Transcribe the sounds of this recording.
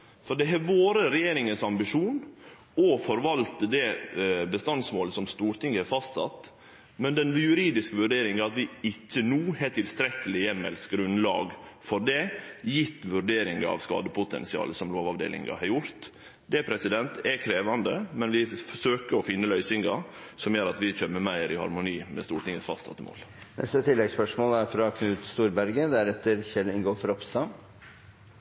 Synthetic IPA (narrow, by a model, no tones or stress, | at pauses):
fɔɖɛɦɛʋoːɾəɾɛjeːɾɪŋənsɑmbɪʂuːn | ɔfɔɾʋɑlt̪əd̪ɛbəst̪ɑnsmoːləsɔmst̪uːɾt̪ʰɪŋːhɛɾfɑst̪sɑ̰t̪ː | mɛnd̪ɛnʋjʉɾiːd̪ɪskəʋʉɖeːɾɪŋəɑt̪ʋɪɪçːənuːhɛt̪ʰɪlst̪ɾɛkəlɪjɛmɛ̰lskəɾʉnlɑ̰ːɡfɔɖɛjɪt̪ːʋʉɾɖeːɾɪŋəɑ̰ʋskɑ̰ːd̪əpʊt̪ʰɛ̰nsɪɑ̰ːləsɔmloːʋɑʋd̪ḛːlɪ̰ŋɡɑ̰hɑɾjʊɾt̪ | d̪ɛpʰɾɛsɪd̪ɛnt̪ʰɛkʰɾeːʋɑnd̪əmɛnʋɪfɔʂøːkəɾɔfɪnːəlœʏsɪŋɡɑ | sɔmjøːɾɑt̪ʋɪc͡çøːməmæɪɾɪhɑ̰ɾmʊniːmɛ̰st̪uːʈɪŋəsfɑst̪sɑ̰t̪ːəmo̰ːlnʔɛ̰st̪ət̪ʰɪlːɛɡspœʂmoːləæɾfɾɑkʰnʉːt̪st̪uːɾbæɾɡəd̪æɾɛt̪ːəɾçɛlɪŋɡoːfɾɔpst̪ɑ